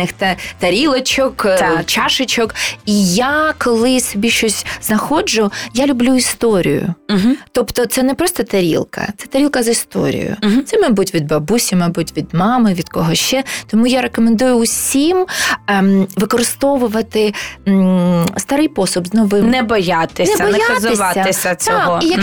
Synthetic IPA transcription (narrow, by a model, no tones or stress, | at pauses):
nɪxt̪ɐt̪ɐɾʲilˠɐt͡ʃɔk̪t͡ʃɑʃɪt͡ʃɔkijakɔlˠɪsɔbʲiʃt͡ʃɔsʲznɐxɔd͡ʒʊjalʲʊblʲuist̪ɔɾʲḭjʊ̰t̪ɔpt̪ɔt̪sɛnɛpɾɔst̪ɔt̪ɐɾʲḭlˠkɐ̰t̪sɛt̪ɐɾʲilˠkɐzist̪ɔ̰ɾʲḭjʊ̰sɛmɐbutʲʋʲid̪̚bɐbusʲimɐbutʲʋʲid̪mɑmɪʋʲid̪kɔɦɔʃt͡ʃɛt̪ɔmujaɾekɔmend̪ujʊʊsʲim | ʋɪkɔɾɪst̪ɔʋʊʋɐt̪ɪ | st̪aɾɪjpɔsʊbznɔʋɪmnɛbɐjat̪ɪnʲɛbɔjatzɪsɑɐɪsʲɐt͡s̪ʲɔɔijɐ